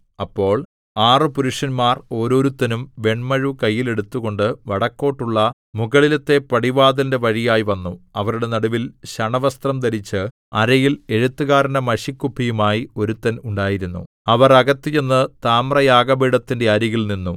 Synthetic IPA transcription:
ɐpːo̞ːɭ | aːrɨpuɾuʂɐnmaːro̞ːɾo̞ːɾut̪ːɐnumʋe̞ɳmɐɻukɐjːile̞ɽut̪ːuɣo̞ɳɖɨʋɐɽɐkːo̞ːʈːuɭːɐ | muɣɐɭilet̪ːe̞pɐɽiʋaːd̪ɐnde̞ʋɐɻijaːjiʋɐnːuɐʋɐɾuɽe̞nɐɽuʋilɕɐɳɐʋɐst̪rɐmt̪ɐɾit͡ɕːɨ | ɐɾɐjile̞ɻut̪ːɨɣaːɾɐnɐmɐɕikːupʰːijumaːjio̞ɾut̪ːɐnuɳɖaːjiɾunːṵ | ɐʋɐrɐɣɐt̪ːijenːɨt̪aːmrɐjaːɡɐbiɽɐt̪ːindeɐɾiɣilninːu

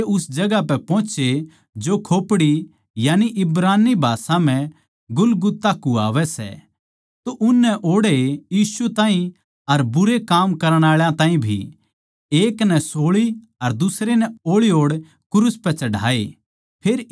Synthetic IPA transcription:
eʊsd͡ʒɐɡapɛpɔ̃ːt͡ʃe | d͡ʒokʰoːpɽi | jaːniʔɪbɾaːnːibʱaːsãm̤ɛ̃ | ɡʊlɡʊt̪ːakːua̰ːʋɛsɛ̰ | t̪oʔʊnːɛʔoːɽejiːsut̪ãːɦĩ | ɐɾbʊɾekaːmkɐɾəɽ̃aːɭjãt̪ãːĩbʱḭ | eːknɛsoːɭi | ɐɾd̪ʊsɾenɛoːɭioːɽ | kʊɾuspɛt͡ʃɐɽ̤ʱa̰ːe | pʰeːɾ

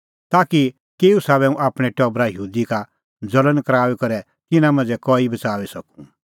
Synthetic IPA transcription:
t̪aːki | keːusaβɛũʔaːpɽ̃ɛʈɔbɾajəɦuːd̪ika | d͡zɐlənkɐɾaːʋɛkɐɾɛ | t̪ɪnãmɐ̃nd͡zɛkɔːibɐt͡saːʋisɐkũ̥

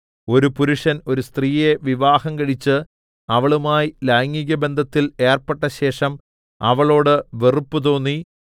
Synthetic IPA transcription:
o̞ɾupuɾuʂɐno̞ɾust̪riːje̞ʋiʋaːhɐmkɐɻit͡ɕːɨ | ɐʋɐɭumaːjilɐjŋːiɣʲɐbe̞nd̪ʱɐt̪ːile̞ːrpeʈːɐɕe̞ːʂɐm | ɐʋɐɭo̞ːɽɨʋerupːut̪o̞ːnːi

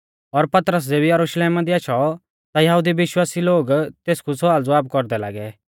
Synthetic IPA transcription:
ɔɾpɐt̪ɾəs̬d͡zeːbijɐɾuʃleːmad̪iaːʃʰɔ | t̪ajɐɦud̪iʋɪʃwaːsiloːɡt̪eːskusʊaːld͡zʊaːbkɔɾd̪ɛla̰ːɡɛ

